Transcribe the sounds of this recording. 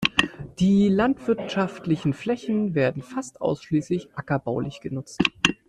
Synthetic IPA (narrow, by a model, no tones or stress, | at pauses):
d̥iːlantv̥ɪɐtʃaftlɪçn̩flɛçn̩veːɐdn̩fastʔa̰ʊsʃliːslɪçʔakɐbaʊlɪçɡ̥ənʊt͡st